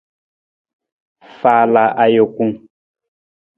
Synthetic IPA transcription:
fa˨la˨ʔa˨jo˨ku˦ŋ

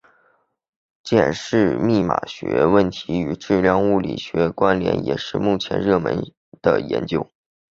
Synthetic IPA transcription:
t͡ɕjɛ˨˩nʂɻ̩˥˧mi˥˩ma̰˨˩ɕɥɛ̰˧˥wə˥˩nt̪ʰi˧˥y˨˩ʈ͡ʂɻ̩˥˧ljɑ˥˧ŋu˥˩lḭ˨˩ɕɥɛ˧˥kwa˥nljɛ̰˧˥njɛ̰˨˩ʂɻ̩˥˧mu˥˩t͡ɕʰjɛ̰˧˥nɻɤ˥˩mə˧˥n | d̪̥ə˧˩jɛ̰˧˥nt͡ɕjo˥ʊ

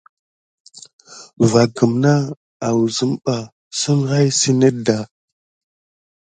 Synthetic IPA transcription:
va˨kə˨mna˦ | a˨wu˨zə˦mɓa˨ | sə˦ŋɣa˦jsi˦ne˦da˨

